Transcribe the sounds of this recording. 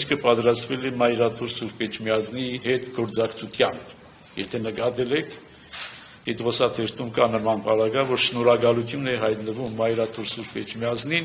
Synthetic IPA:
skʰəpɑt̪ɾɑst̪vɛlɛmɑjɾɑt̪ʰuɾsuɾpɛt͡ʃʰmijɑzniɦɛt̪ɡɔɾt͡sɑkt͡sʰut̪ʰjɑmpʰ | jɛt̪ʰɛnəkɑt̪ɛlɛkʰ | t̪it̪ʁɔsɑt̪ʰɛɾt̪umkɑnəmɑnpɑɾɑɡɑjvɔɾʃnɔɾɑɡɑlut̪ʰjunɛɦɑjt̪nəvumːɑjɾɑt̪ʰuɾsuɾpɛt͡ʃʰmjɑznin

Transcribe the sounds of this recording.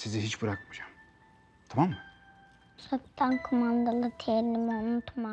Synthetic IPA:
siziɦit͡ʃbɯɾakmad͡ʒaːm | t̪ʰamamːɯ | sat̪ːankʰumand̪alˠɯt̪ʰeɾlimomut̪ʰma

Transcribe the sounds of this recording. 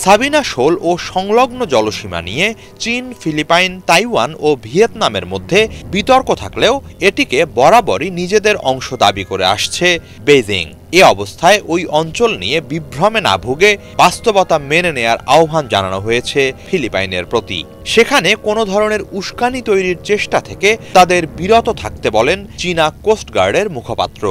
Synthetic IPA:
sabinaʃoloʃɔŋloɡnod͡ʑɔloʃima̰nije | t͡ɕinfilipajnt̪ajwanobʱiet̪nameɾmod̪ʱːebit̪ɔɾkot̪ʰakleo | eʈikebɔɾabɔɾinid͡ʑed̪eɾɔŋʃod̪a̰bikoɾḛa̰ʃt͡ɕʰe | bed͡ʑḭŋ | eɔbost̪ʰaeʔojɔnt͡ɕolnijebibɾomena̰bʱuɡe | bast̪obɔt̪ameneneaɾa̰obʱand͡ʑa̰nanoɦojet͡ɕʰefilipajneɾpɾot̪ḭ | ʃekʰanekonod̪ʱɔɾoneɾuʃkanit̪ojɾiɾt͡ɕeʃʈat̪ʰeket̪ad̪eɾbiɾot̪ot̪ʰak̚t̪ebɔlent͡ɕinakosʈɡaɾɖeɾmukʰopa̰t̪ːɾo̰

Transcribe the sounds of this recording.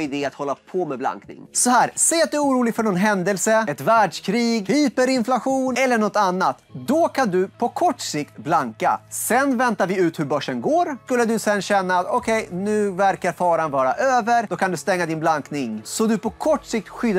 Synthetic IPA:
ɪd̪eːat̪hɔlːapʰɔmɛbla̰ŋknɪ̰ŋsɔhæːɾsɛjːat̪̚d̪ɵuːɾuːlɪɡfœɳɔnɦɛnd̪əlsəɛt̪væːɖʂkʰɾiːɡhiːpəɾɪnflaɧuːnɛlːəɳɔt̪ːanːat̪d̪ɔkʰand̪ɵpʰɔkʰɔʈːsɪkt̪blaŋka̰sɛnvɛnt̪aɾvɪʉ̟ːt̪hɵɾbœʂːənɡoːɾskɵlːəd̪ɵsɛnɕɛnːaːt̪ɔkʰɛjnʉ̟ːvæɾkaɾfɑːɾanvɑːɾaʔøːvəɾd̥̪ɔkʰand̪ɵst̪ɛŋːad̪ɪnblaŋknɪŋsɔd̪ɵpʰɔkʰɔʈːʂɪk̚t̪ɧʏd̪

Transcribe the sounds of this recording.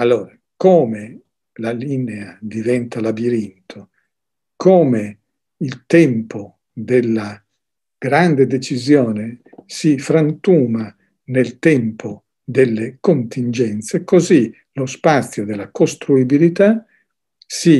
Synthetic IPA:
alːoːɾa | koːme | lalinead̪ivɛnt̪alabiɾint̪ʰo | kʰoːme | ilt̪ɛmpʰo | d̪elːa | ɡ̥ɾand̪ed̪et͡ʃizjoːne | sifɾant̪uːma | nelt̪ɛmpo | d̪elːekont̪ind͡ʒɛnt̪sekozi | lospat̪sːjod̪elːakost̪ɾuibilit̪a | si

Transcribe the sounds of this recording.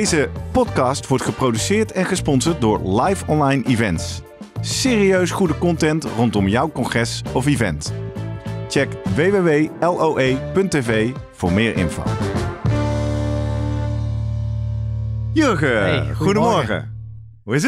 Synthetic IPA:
jzəpɔtkɑːstʋɔɹtχəprowdysɪːɹtɛnχəspɔnsəɹt̚dʊːɹlɑjfɔnlɑjnʔivɛntsː | eːriøɥsχudəkɔntɛntrɔntɔmjʌwkɔnχɛsɔfivɛ̰nt | t͡ʃɛkʋejʋeʋejɛlˠʔowʔejpɵntevejv̥ʊ̰ːɹmɪːɹʔɪ̰nfo̰w | jøɹkəχudəmɔɹχə̰ | ɦuɪs

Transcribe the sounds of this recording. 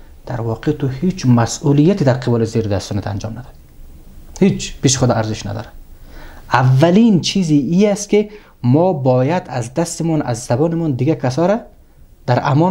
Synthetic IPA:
d̪̥aɾvɔqʰet̪uhit͡ʃmasʔulijat̪id̪aɾqʰɪbɔlizeɾid̪ast̪ɔnit̪ʰa̰nd͡ʒɔmnad̪ɔd̪i | hit͡ʃpeʃiχud̪ɔaɾzɪʃna̰d̪ɔ̰ːɾad̪̥ | avːalint͡ʃʰiziiast̪ki | mɔbɔːjad̪azd̪ast̪imɔnazːabɔːnimɔnd̪ɪɡakʰas̬ɔɾa | d̪̥aɾamɔ

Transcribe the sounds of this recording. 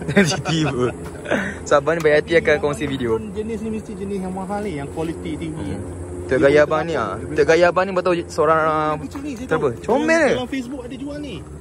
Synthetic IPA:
asit̪ibə | sabanĩbajat̪iakankɔŋsifideond͡ʒənisnimisit̪iʔd͡ʒənisjaŋmaɦalijaŋkwalit̪iʔt̪iɲi | t̪əʔɡajabanĩa̰əʔɡajabanibət̪̬ausəoɾaŋ | t̪əɾbət͡ʃomɛləlafesbuk̚adəd͡ʒuani

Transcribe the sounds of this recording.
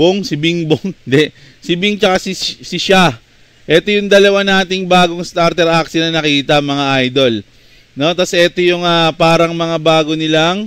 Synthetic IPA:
boŋsɪbɪŋboŋd̪ɛ | sɪbɪŋt͡ʃɐkasɪsɪʃa | ʔɛt̪o̞jʊŋd̪ɐlɐwanaːt̪ɪŋbaːɡo̞ŋst̪aɾt̪ɛɾʔaksɪnɐnɐkiːt̪ɐmɐŋaʔajd̪o̞l | no̞t̪ɐsʔɛt̪o̞jʊŋapaːɾɐŋmɐŋabaːɡo̞nɪlaŋ

